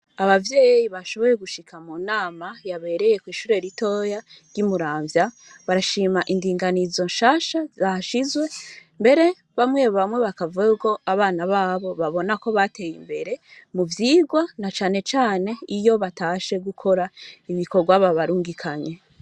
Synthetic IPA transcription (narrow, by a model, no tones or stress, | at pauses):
aβavje̞ːjjiβaʃo̞βo̞ɾe̞ɡuʃikʰamuːnaːmajaβe̞ɾe̞je̞kwiːʃuːɾe̞ɾito̞ːja | ɾjimuɾaːɱvja | βaɾaʃiːmaʔindiːŋɡanizo̞nʃaːʃazaʃizwe̞mbe̞ɾe̞ | βamwe̞ːβoβamwe̞βakavuauko̞ʔaβaːnaβaːβo̞βaβo̞nako̞βate̞ːjimbe̞ɾe̞muvjiːɡwanat͡ʃaːne̞t͡ʃaːne̞ijo̞βataːʃe̞ɡukʰo̞ɾaiβiko̞ɡwaβaβaɾuːŋɡikʰaɲe̞